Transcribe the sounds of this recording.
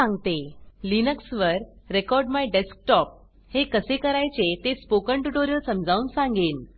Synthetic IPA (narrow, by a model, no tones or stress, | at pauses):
ãŋɡt̪elinəksʋəɾ | ɾekɔɾɖmajɖesk̚ʈɔp̚ | hekəsekəɾajt͡set̪espokəɳʈuʈoɾjəsəmd͡zʱauːnsãŋɡeːn